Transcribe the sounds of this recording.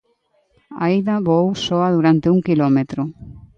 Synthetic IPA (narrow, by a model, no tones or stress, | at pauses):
a̰iðaβowsoaðuɾant̪euŋkilomet̪ɾo